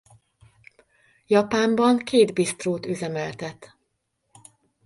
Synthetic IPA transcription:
jɒpaːmbɒŋkeːd̪bist̪roːt̪yzɛmɛlt̪ɛt̪

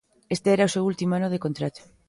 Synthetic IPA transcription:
est̪eɛɾaosewult̪imoanoð̞ekont̪ɾat̪o̥

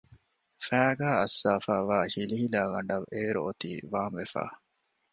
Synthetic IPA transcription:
fæːɡæːɐsːaːfaːʋaːhiliɦilaːɡɐɳɖɐʋeːɾṵot̪ḭːʋaːmʋefa̰ː

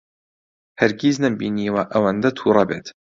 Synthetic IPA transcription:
hɐɾɡiznambiniːwaʔawɐnd̪at̪ʰuɾˤɑbet̪

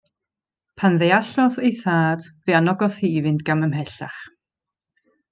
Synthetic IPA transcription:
pʰanðejaɬɔθejθaːd̥veanɔɡɔθiːvɨndɡ̥aməmɦɛɬa̰χ

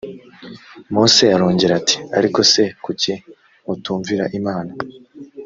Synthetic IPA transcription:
muːseaɾoːɲɟeɾati̥a̰ɾiko̞se̞kuce | utuːɱviɾaʔimaːna

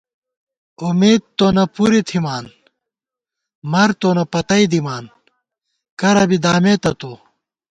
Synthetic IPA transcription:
umeːd̪̚t̪oːnɐpuɾit̪ʰimaːn | mɐɾt̪oːnɐpɐt̪ɐid̪imaːn | kɐɾɐbid̪aːmeːt̪ɐt̪oː

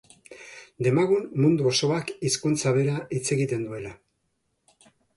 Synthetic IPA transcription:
d̪e̞maɣunmund̪uoso̞akiskunt͡saβe̞ɾaʔit͡se̞ɣit̪e̞nd̪ue̞la

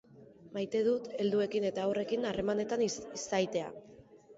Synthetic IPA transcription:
majt̪e̞ðut̪e̞ld̪ue̞kine̞t̪aːwre̞kinare̞mane̞t̪anisajt̪e̞a̰

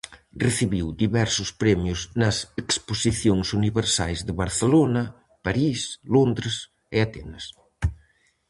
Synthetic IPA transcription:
reθiβiwd̪iβɛɾsʊspɾɛmjʊznɐseksposiθjoŋsuniβeɾsa̰jzðəβɐɾθelonɐ | paɾislond̪ɾes | ɪat̪ɛ̰nɐs

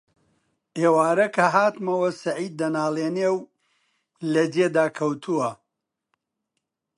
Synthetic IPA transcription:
ʔeːwaːɾɐkʰɐɦaːt̪mɐwɐsɐʕiːd̪̚ːɐnaːlˠeːneːw | lɐd͡ʒeːd̪aːkʰɐwt̪ʰuwɐ

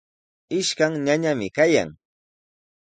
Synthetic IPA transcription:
ɪʃkaŋɲaɲamɪkaja̰ŋ

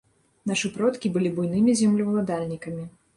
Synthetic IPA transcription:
naʂɨpɾɔt̪kʲibɨlʲibujnɨmʲizʲɛmlʲuwlˠad̪alʲnʲikɐmʲi

